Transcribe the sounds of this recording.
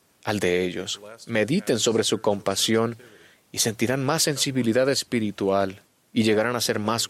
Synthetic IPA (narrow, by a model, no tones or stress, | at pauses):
ald̪e̞e̞ʝo̞̰sme̞ðit̪e̞nso̞βɾe̞suko̞mpasjo̞n | ise̞nt̪iɾanmasːe̞nsiβiliðaðe̞spiɾit̪wal | iʝe̞ɣaɾanase̞ɾmas